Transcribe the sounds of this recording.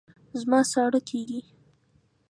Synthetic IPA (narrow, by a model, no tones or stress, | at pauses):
zmɑsɑɽəkʰeɡi